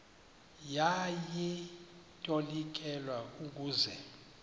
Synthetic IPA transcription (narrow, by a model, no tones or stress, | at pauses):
jajɛ | tʼolik̬ʼɛlwauk̬ʼuːzɛ